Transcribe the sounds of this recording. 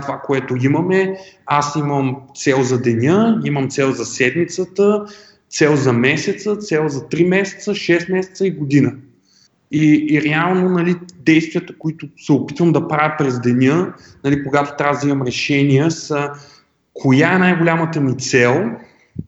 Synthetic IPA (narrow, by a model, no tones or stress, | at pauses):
t̪ovakoɛt̪ʊiməmɛasiməmt̪sɛlˠzɐd̪ɛnʲɤiməmt̪sɛlˠzɐsɛd̪mit̪sət̪ə | t̪sɛlˠzɐmɛsɛt̪sət̪sɛlˠzɐt̪ɾimɛsɛ̥t̪səʃɛst̪mɛsɛ̥t̪səiɡod̪inə | iːɾɛalˠnonɐlid̪ɛjst̪viət̪ə̥koit̪ʊsɛopit̪vəmd̪ɐpɾavʲəpɾɛzd̪ɛnʲɤ | nɐlikoɡat̪o̥t̪ɾʲavəd̪ɐimɐmɾɛʃɛniɛsə | kʰojaɛnajɡolʲamət̪əmit̪sɛlˠ